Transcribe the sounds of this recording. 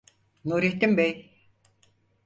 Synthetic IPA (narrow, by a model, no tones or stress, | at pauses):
nuːɾiht̪ːimbɛj